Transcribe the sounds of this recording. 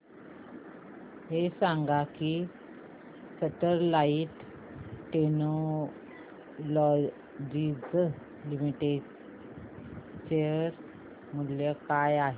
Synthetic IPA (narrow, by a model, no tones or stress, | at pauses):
ɦesãŋɡaki | səʈəɾlaiʈː | eno | lɔ | d͡ʑid͡z | limiʈe | t͡ɕeəɾ | muljəkajaɦe